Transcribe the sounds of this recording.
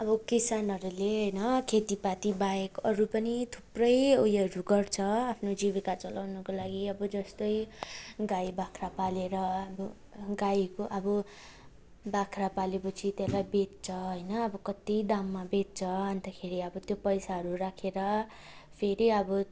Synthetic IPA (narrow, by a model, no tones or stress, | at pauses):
ʌbʌkisanɦʌɾuleɦʌjnʌkʰet̪ipat̪ibajekʌɾupʌnit̪ʰu̥prʌjojʌɾuɡʌrt͡sʰʌapʰnod͡ziβikat͡sʌlawnʌkolaɡiʌbʌd͡zʌst̪ʌjɡajbakʰrapaleɾʌʌbʌ | ɡajkoʔʌbʌ | bakʰrapalekot͡sʰit̪elajbet̪̚t͡sʰʌɦʌjnʌːbʌkʌt̪ijd̪amːabet̪̚t͡sʰʌʌnt̪akʰeɾiʌbʌt̪jopʌjsaɦʌɾurakʰeɾʌ | pʰeɾiʌbʌ